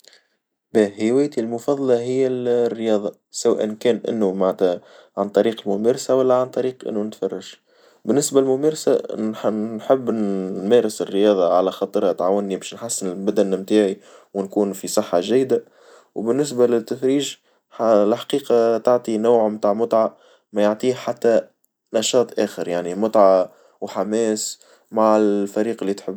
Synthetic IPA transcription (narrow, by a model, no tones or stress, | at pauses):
bæːhɪwæːjt̪ilmʊfɑðˤːɑlɑɦɪjːælrːəjɑːðˤɑ | sawæ̰ːʔɪnkɛːnʔɪ̰nːumaʕnæt̪æʕant̪ˤɑɾiːqɪlmʊmæːɾsawælːæʕant̪ˤɑɾiːqʔɪ̰nːunɪt̪fɑrˤːɑʒ | bɪnːɪsbalmʊmæːɾsa̰ | ħɪbːmæːɾɪsɪrːəjɑːðˤɑʕalæxɑt̪ˤɾhæt̪ʕaːwɪnːibɛːʃnħasːɪnɪlbæd̪ænmt̪aːʕiwnkuːnfisˤɨħːɑʒæjːd̪a | wbɪnːɪs̬balɪt̪ːæfɾiːʒ | alħḁqiːqɑt̪aʕt̪ˤinawʕmt̪aːʕmʊt̪ˤʕa | mæjoʕt̪ˤiːhħat̪ːæ | nɑʃɑːt̪ˤʔɛːxəɾjaʕnimʊt̪ˤʕɑ | wħamɛːs | maʕɪlfæɾiːqɪlːit̪ħɪbː